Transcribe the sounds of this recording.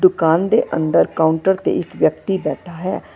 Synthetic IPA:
d̪ʊkaːnd̪eʔə̰̃nd̪əɾkaːʊɳʈəɾt̪ḛɪkʋjəkt̪ibɛːʈʰaɦɛː

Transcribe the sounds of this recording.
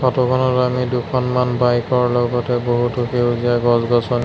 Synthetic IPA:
kʰɔtɔkʰɔnɔtamidukʰɔnmanbajkɔɹlɔɡɔtɛboɦutʊxewziaɡɔzɡɔsɔn

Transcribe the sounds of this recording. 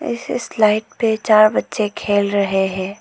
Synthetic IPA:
ɪ̰sɪslaːɪʈ̚pet͡ʃaːɾbɐtːʃekʰeːlɾɐɦeɦɛ̃ː

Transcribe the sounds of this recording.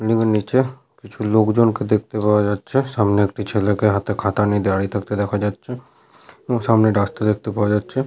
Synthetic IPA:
lĩɡəniːt͡ʃe | kɪt͡ʃʰuloːkd͡ʒonked̪eːk̚ʰt̪epaʋad͡ʒaːd̪t͡ʃʰɛsaːmneekʈʰit͡ʃʰeːlekeɦat̪ʰekʰaːt̪anĩd̪jaːɽit̪ʰɐk̚t̪ed̪eːkʰad͡ʒaːd̪t͡ʃʰɛ | jõːsaːmneɖaːst̪ed̪eːk̚t̪epaʋad͡ʒaːt̪t͡ʃʰɛ

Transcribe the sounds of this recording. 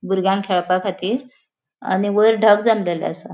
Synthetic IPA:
buɾɡãŋkʰeɭpakʰat̪iːɾ | a̰niʋəɾɖʱəkd͡zəmlalɛ̰əsa

